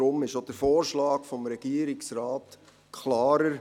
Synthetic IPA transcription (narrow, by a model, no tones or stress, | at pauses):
ɾʊmɪʃod̥əfɔːɾʃlɑːkfɔmɾɛɡ̥iəɾiksɾɑːt | kʰlɑːɾəɾ